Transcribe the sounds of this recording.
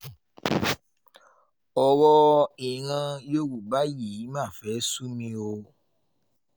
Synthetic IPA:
ɔ˧wɔ˦i˨ɾ̃ã˧jo˦wu˨ba˦ji˨˦mãː˦˨fɛ˨˦su˦mĩ˧o˧

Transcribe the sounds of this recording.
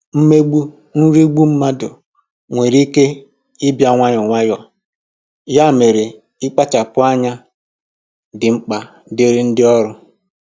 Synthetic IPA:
m̩˦me˦ɡ͡bu˦ | n̩˦ɾi˦ɡ͡bu˦m̩˦ma˦dʊ˨ | ŋʷe˨ɾi˦ke˦ | ɪ˦bja˨ŋʷa˦ɲʊ˨ŋʷa˦jɔ˨ | ja˦˨me˨ɾe˨ | ɪ˦k͡pa˦t͡ʃa˨pʊ˦a˦ɲa˦ | dɪ˨ŋ͡m̩˦k͡pa˨ | de˦ɾɪ˦n̩˦dɪ˦ɔ˦ɾʊ˦

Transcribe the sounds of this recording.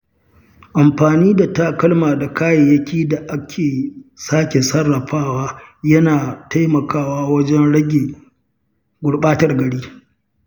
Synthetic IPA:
ʔa˨mɸaː˨niː˦da˨ta˦kɐ˦lmaː˨da˨kaː˦je˨jɐ˦kʲiː˦da˨ʔa˦kʲʰeː˨saː˦kʲe˨sɐ˦rːɐ˨ɸaː˦waː˦jɐ˦naː˨ta˦jmɐ˨kaː˦waː˦wɐ˦d͡ʒɛ˦nɽɐ˦ɡʲeː˨ | ɡʷʊ˨ɽɓaː˦tɐ˨rɡɐ˨ɽiː˦

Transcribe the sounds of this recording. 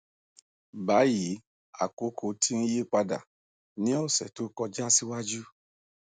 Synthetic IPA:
ba˨˦ji˨˦ | a̰˨ko˨˦kʰo˧tʰi˦ñ̩˦je˦˨k͡pa˧da̰˨ | nĩ˦ɔ˦˨sɛ̰˨to˨˦kɔ˧d͡ʒa˦si˦wa˦d͡ʒu˦

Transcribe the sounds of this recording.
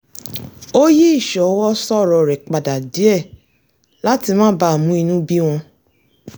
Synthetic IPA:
o˦ji˦i˦˨ʃɔ˨˦wɔ˦sɔ˦˨ɾɔ˧˨ɾɛ˨k͡pa˨da˨di˨˦ɛ˦˨ | la˦ti˧mãː˦ba˦˨mũ˦i˧nũ˦bi˦w̃ɔ̃˧

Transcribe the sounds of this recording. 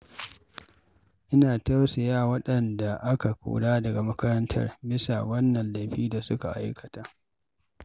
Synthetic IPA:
ʔɪ˦naː˨tɐ˦rsa˨jaː˦wɐ˦ɗɐ˨nda˨ʔa˦ka˨kʷṵː˨ɽaː˦dɐ˨ɡa˨mɐ˦kɐ˦ɾɐ˦ntʰɐ̰˦rbɪ˦sa̰˨wɐ˦nːɐ˨nla˨jɸiː˦da˨sʊ˦ka˨ʔa̰˦jkɐ˨taː˦ʔ

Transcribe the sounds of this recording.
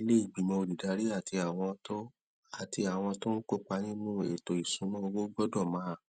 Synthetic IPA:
i˧le˦i˦˨ɡ͡bi˨mɔ̃˧o˧˨di˨da˨˦ɾi˦a˦˨tʰi˧a˨w̃ɔ̃˧tɔ˦ | a˨ti˧a˨w̃ɔ̃˧to˦n̩˦ko˦k͡pa˧nĩ˦nũ˦e˨to˨i˨sũ˨˦nɔ̃˦o˧wo˦ɡ͡bɔ˦dɔ˦˨mãː˨˦˨

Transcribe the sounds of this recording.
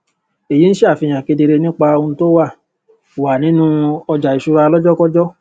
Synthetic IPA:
e˨ji˨˦n̩˦ʃe˦a˦˨fi˧j̃ã˨ke˧de˧ɾe˧nĩ˦k͡pa˧o˧nũ˧to˦wa˦˨ | wa˨nĩ˨˦nũ˦ɔ˧d͡ʒa˨i˨ʃu˧ɾa˧a˧lɔ˦d͡ʒɔ˦kɔ˦d͡ʒɔ˦

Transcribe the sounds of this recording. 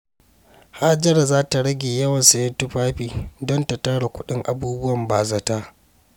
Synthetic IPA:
haː˦d͡ʒɐ˦ɾa˨zaː˦ta˨ɽɐ˦ɡʲeː˨jɐ˦wɐ˨nsa˨jɐ˦ntʊ˦ɸaː˦ɸiː˨dɔ˦ntɐ˨tɐ˦ɽa˨kʷʊ˦ɗɪ˦ŋʔa̰˨buː˦bʊ˦wɐ˨mbaː˨za˨taː˦ʔ

